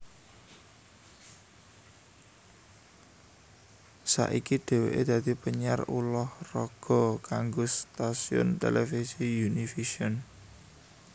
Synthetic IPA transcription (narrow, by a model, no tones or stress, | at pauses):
sa̰ʔikiɖ̪̥e̤wḛʔed̪̥ä̤d̪̥ipəɲarulɔhrɔɡ̥ɔ̤kaŋɡost̪asiʊ̰nt̪elɛfisijunifiʃɔn